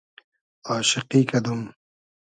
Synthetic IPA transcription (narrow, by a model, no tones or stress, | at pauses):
ɑːʃɪqiːkɐd̪um